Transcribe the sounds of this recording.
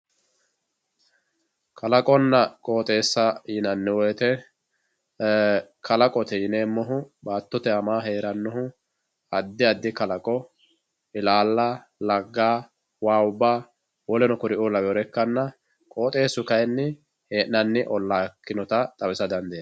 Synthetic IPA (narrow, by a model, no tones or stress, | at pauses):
kʰɐlɐkʼɔnːɐkʼoːt̪ʼe̞ːsːɐjɪnɐnːɪwɔjɛt̪ɛ | kʰɐlɐkʼɔt̪ɛjɪneːmːɔɦʊbaːt̪ːɔt̪ɛɐmaːɦeːɾɐnːɔɦʊ | ɐd̪ːɪɐd̪ːɪkɐlɐkʼɔ | ɪlaːlːa | lɐɡːaː | waːʊbːaː | wɔlɛnɔkʊɾɪʊlɐwɛɔɾɛkːɐnːɐ | kʼo̞ːt̪ʼe̞ːsʊkɐjnːɪ | heːʔnɐnːɪʔɔlːaːkːɪnɔt̪ɐt̪ʼɐwɪsɐd̪ɐnd̪eː